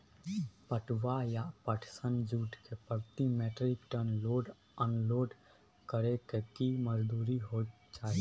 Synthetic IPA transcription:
pəʈwajapəʈʰsənd͡ʒuːʈkepəɾt̪imeːʈɾɪkʈəɾnloːɖ | ənloːɖ | kəɾekekiməd͡ʒd̪uːɾiɦo | t͡ʃaːɦi

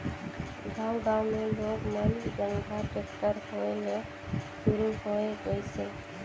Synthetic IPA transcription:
ɡʱaːʊɖaʊmẽloɡmənd͡ʒəŋɡʱaʈekʈəɾhoele | ʃuɾuɦoeɡəjse

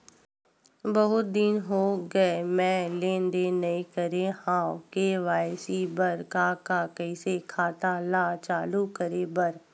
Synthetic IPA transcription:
bɐɦʊt̪̚d̪ɪnɦoːɡɐemɛ̃ːlẽːnd̪enɐĩkəɾehãːkeʋaːsibɐɾkaːkakəɪsekʰaːt̪alaːt͡ʃaːlukəɾebɐɾ

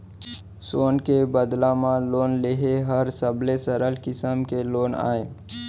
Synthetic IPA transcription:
soːnkebəd̪lãmãloːnleɦeɦəɾsəbʱlesəɾəlkɪsəmkeloːna̰ːe

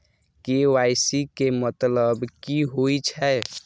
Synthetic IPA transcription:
kewajsikemət̪ləbkiɦojt͡ʃʰɛ

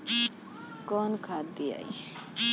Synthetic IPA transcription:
kɔnkʰad̪ia̰i

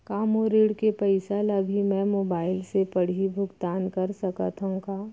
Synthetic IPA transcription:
kaːmoɾeːɽkepəɪsaləbʱimɛ̃moːbaːɪlsepɐɽ̤ibʱʊɡt̪aːnkɐɾsɐkat̪ʰãkaː

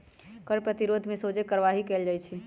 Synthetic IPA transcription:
kəɾpɾət̪iɾod̪ʱmesod͡ʒekəɾʋaɦikeld͡ʒajt͡ʃʰi

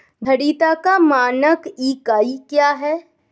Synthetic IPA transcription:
d̪ʱɐɽiːt̪akamaːnəkiːkaːikjaːɦɛː

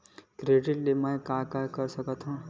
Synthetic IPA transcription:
kɾeːɖɪʈlemə̃kaːkakɐɾsɐkət̪ɦũ

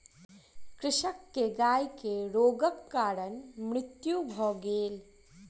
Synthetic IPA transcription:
kɾɪʃəkːeɡaːjkeɾoːɡəkːaːɾənmɾɪt̪jubʱɔːɡeːl

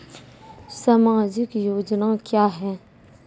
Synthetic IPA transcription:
samaːd͡ʒɪkjoːd͡ʒnakjaːɦɛː

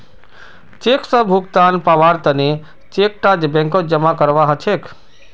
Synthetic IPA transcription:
t͡ʃekʰsəbʱuk̚t̪anpaʋaɾt̪əne | t͡ʃek̚ʈad͡ʒbɛ̃ŋkod͡ʒəmakəɾʋaɦət͡ʃʰekʰ

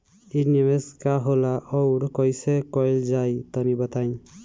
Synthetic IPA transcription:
inemeskaɦolaʔɔwɽkɔjsekɔjld͡ʒajt̪ɔnibʌt̪aj̃

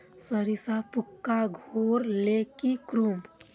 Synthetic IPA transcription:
səɾisapukːaɡʱoɾlekikɾum

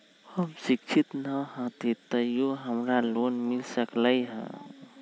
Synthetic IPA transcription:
həmsikt͡ʃʰit̪nəɦə̃t̪it̪ːəjoɦəmɾalonmilsəkləjɦə̰̃

